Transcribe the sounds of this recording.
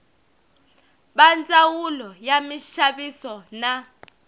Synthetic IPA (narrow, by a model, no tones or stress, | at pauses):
ɓant͡sʼawulɔjamiʃaɓisɔna